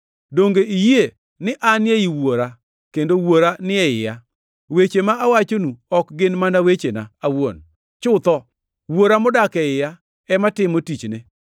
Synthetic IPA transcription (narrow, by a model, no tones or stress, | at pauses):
doŋɡeʔije | nɪʔanɪɛiwoɾa | kendowoɾanɪɛjɪja | wet͡ʃemaːwat͡ʃonuɔkɡɪnmanawet͡ʃena̰awo̰n | t͡ʃʊt̪ɔ | woɾamʊdakɛɪja | ɛmatɪmotit͡ʃnɪ